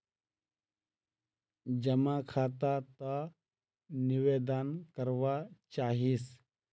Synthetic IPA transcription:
d͡ʒɐmakʰaːt̪at̪ə | nɪʋeːd̪ankəɾʋat͡ʃaːɦis

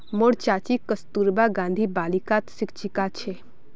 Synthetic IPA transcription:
moɽt͡ʃaːt͡ʃikəst̪uɾbaɡãːnd̪ʱibaːlikat̪sɪkt͡ʃikat͡ʃʰe

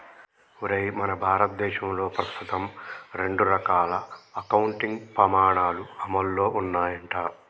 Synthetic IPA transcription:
uɾɐjmɐnɐbʱaːɾɐt̪̚d̪ɛːʃɐmlo̞ːpɾɐst̪ʰut̪ɐmɾe̞ɳɖuɾɐkaːlɐːkɐwuɳʈiŋɡpɾɐmaːɳaːluɐmɐlːo̞ːʔunːaːjɐɳʈaː

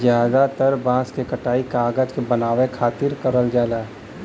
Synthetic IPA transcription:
zjaːd̪at̪əɾbãːskekɐʈaːikaːɡəd͡ʒkebɐnaːʋekʰaːt̪ɪɾkəɾəld͡ʒaːlaːɦ

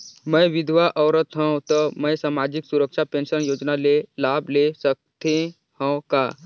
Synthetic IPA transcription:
məjʋid̪ʱʋaʔəʋɾət̪ɦə̃wt̪əməjsamad͡ʑiksuɾəkʂapẽnsənjod͡ʒnalelablesək̚t̪ʰẽ | hə̃wka̰

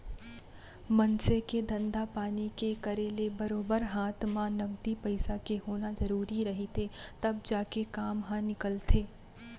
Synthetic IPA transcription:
mɐ̃nseked̪ɐ̃nd̪apaːnikekɐɾelebɐɾoːbəɾɦaːt̪ʰmãnɐɡ̚d̪ipɐɪsakeɦoːnazɐɾuːɾiɾɐɦit̪ʰet̪ɐbd͡ʒaːkekaːmɦãnɪkəlt̪ʰeː

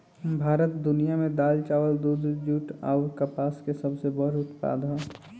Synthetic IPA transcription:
bʱaːɾət̪d̪ʊnijamẽd̪aːlt͡ʃaːwəld̪uːd̪d͡ʒuːʈa̰ʊɾkəpaːskesəbsebəɾʊt̪pa̰ːd̪ɦɔ̃

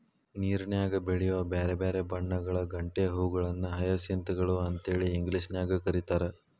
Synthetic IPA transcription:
niːɾnjaːɡɐbeɭijuʋɐbeːɾebeːɾebɐɳːɐɡɐɭɐɡɐɳʈeɐɦuːɡɐɭɐnːuɦɐjɐsint̪ɐɡɐɭuɐnt̪ɦeːɭiːŋɡliʂnjaːɡɐkɐɾit̪aːɾe

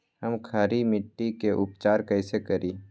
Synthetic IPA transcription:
ɦəmkʰaːɾimɪʈːikeʔʊpt͡ʃaːɾkəɪsekəɾiː

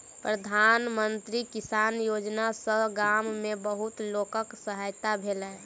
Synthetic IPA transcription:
pɾəd̪ʱanmənt̪ɾikisanjod͡ʒnasəɦɡamːebəɦut̪lokəksəɦajt̪abʱelə

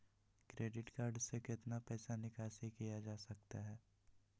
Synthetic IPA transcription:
kɾeːɖɪʈkaːɾɖsekɪt̪napɛːsanɪkaːsikijad͡ʒaːsɐk̚t̪aɦɛː

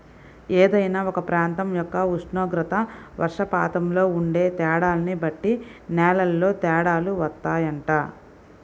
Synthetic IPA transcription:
eːd̪ɐjnaːɔkɐpɾaːnt̪ɐmjɔkːɐuʂɳoːɡɾɐt̪ɐʋʔɐ̰ɾʂɐpa̰ːt̪ɐmlo̞ːuɳɖe̞ːt̪ɛːɽaːlɐnibɐʈːinɛːlɐlːo̞ːt̪ɛːɽaːluʋɐt̪ːaːjɐɳʈaː

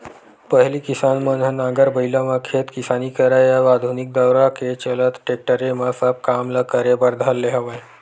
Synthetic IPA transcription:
pəɦliːkisanmənənaɡəɾbəilaməkʰet̪kisanikəɾajaʋad̪ʱunik̚d̪əwɾaket͡ɕələt̪ʈek̚ʈəɾeməsəp̚kamləkəɾebəɾd̪ʱalːeɦəʋəj

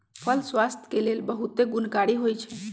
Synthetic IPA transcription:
pʰəlswast̪ʰə̥kelelbəɦut̪eɡunkaɽiɦojt͡ʃʰɛ

